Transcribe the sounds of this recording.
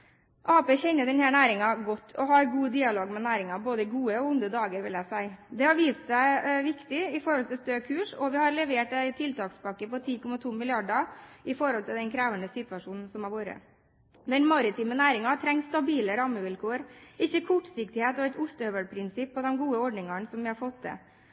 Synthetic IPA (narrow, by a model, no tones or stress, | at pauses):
ʔɑːpeːçɛnːəɖ̪ɛnhæːɾɳæːɾɪŋɑɡɔt̪ːʰɔɦɑɾɡuːd̪iːɑloːɡmɛnæːɾɪŋɑboːd̪əɡuːəɔʊnd̪əd̪ɑːɡəɾʋɪljæɪsæɪd̪ɛhɑɾʋiːst̪sæɪʋɪkt̪ɪɪfɔɾhɔlt̪ɪlst̪øːkʰʉːʂɔʋɪhɑɾlɛʋeːʈæɪt̪ʰɪlt̪ɑːksbɑkːəpɔt̪ʰiːkʰɔmːɑt̪ʰuːmɪlɪɑɖɑɪfɔɾɔlt̪ʰɪld̪ɛnkʰɾæːʋənəsɪt̪ʋɑʂuːnn̩sɔmæɾʋoːɾə̰ | d̪ɛnmɑɾɪt̪ʰiːmənæːɾɪŋɑt̪ʰɾɛŋst̪ɑbiːləɾɑːməʋɪlkʰoːəɾʔɪçːəkʰʊʈsɪk̚t̪ɪheːt̪ɔæɪt̪ʊst̪əœʋəɽpʰɾɪnsɪpːɔd̪ɛmɡuːəɔɖɳɪŋɑɳsɔmʋɪhɑɾfɔt̪ːd̪ɛ̰